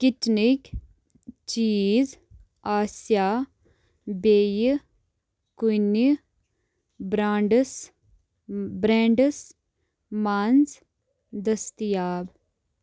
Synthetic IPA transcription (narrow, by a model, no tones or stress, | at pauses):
kitnik | t͡ʃiːz | aːsjaː | beːj | kujni | bɾaːɳɖs | bɾɛ̃ːɳɖəs | maːnz | d̪ɐst̪ijaːb